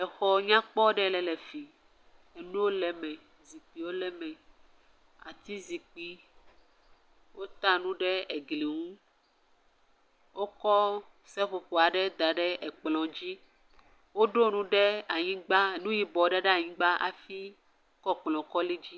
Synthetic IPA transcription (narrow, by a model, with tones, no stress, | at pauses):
ɛ˨xɔ˨ɲã˦k͡pɔ˦ɖɛ˦lɛ˨lɛ˨fi˨ | e˨nũ˦wo˦lɛ˨mɛ̃˨ | zi˨k͡pi˨wo˦lɛ˦mɛ̃˨ | a̰˨t̪i˦zi˨k͡pi˦ | wo˦t̪ã˦nũ˦ɖɛ˦e˨ɡli˨ŋũ˦ | wo˦kɔ˦ | sɛ˦ɸo˨ɸo˨a˨ɖɛ˦d̪a˨ɖɛ˦ʔɛ˨k͡plɔ̃˨d͡ʑi˦ | wo˦ɖo˦nũ˦ɖɛ˦a˨ɲĩ˦ɡ͡ba˦e˨nũ˦ji˨bɔ˨˦ɖe˦ɖe˦a˨ɲĩ˦ɡ͡ba˦ʔa̰˨fi˦ | kɔ˦k͡plɔ̃˨kɔ˦li˦d͡ʑi˦